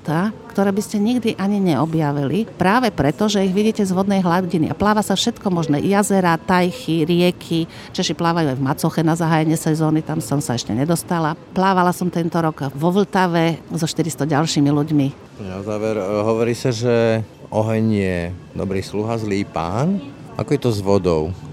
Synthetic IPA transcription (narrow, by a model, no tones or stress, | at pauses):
t̪akt̪ɔɾɛːbiscɛɲiɡd̪iʔaɲiɲɛɔbjaʋilipɾaːʋɛpɾɛt̪ɔʒɛiɣʋiɟiːcɛzʋɔd̪nɛjɦlaɟinḭʔa̰plaːʋasafʃɛt̪kɔmɔʒnɛ̰ːjazɛɾat̪ajxiɾɪɛkʰi | t͡ʃɛʃiplaːʋajuajvmat͡sɔxɛnazaɦaːjɛɲɪɛsɛzɔːnit̪amsɔmsaɛʃcɛ̰ɲɛd̪ɔst̪alaplaːʋalasɔmt̪ɛnt̪ɔɾɔɡʋɔʋl̩t̪aʋɛzɔʃt̪iɾist̪ɔɟalʃiːmiluɟmi | ɔnazaːʋɛɾɦɔʋɔɾiːsaʒɛɔɦɛɲjɛd̪ɔ̰bɾiːsluɦazliːpa̰ːn | ʔa̰kɔjɛt̪ɔzʋɔd̪ɔ̰ʊ